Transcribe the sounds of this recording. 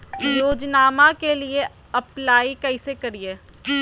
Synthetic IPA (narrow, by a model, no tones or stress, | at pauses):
joːd͡ʒnaːmãkelie | ɐplaːikɛɪsekɐɾieː